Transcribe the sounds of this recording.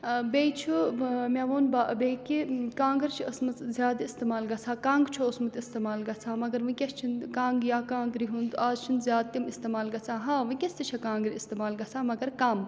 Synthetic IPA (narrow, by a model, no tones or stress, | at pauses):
beːt͡ʃʰumʲaʋoːnbaːʔbeːkikãːŋɡɐɾt͡ʃʰiɐsmɐt̪zʲjaːd̪ist̪emaːlɡɐt͡sʰaːkãːŋɡt͡ʃʰoɐsmɐt̪ist̪emaːlɡɐt͡sʰaːmɐɡɐɾʋɨ̃kʲest͡ʃʰinkãːŋɡjaːkãːŋɡɾiɦund̪aːzt͡ʃʰinzʲjaːd̪̚t̪imist̪eːmaːlɡɐt͡sʰaːɦãːʋɨ̃kʲest̪it͡ʃʰɐkãːŋɡɾiist̪emaːlɡɐt͡sʰaːmɐɡɐɾkaːm